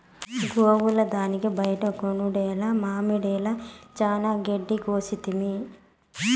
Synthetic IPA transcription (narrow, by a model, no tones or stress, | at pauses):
ɡoːwulɐd̪aːnikibɐjɐʈɐkonuɽɛːlɐmaːmiɽɛːlɐt͡ʃaːnaːɡeɖːiɡoːsit̪imi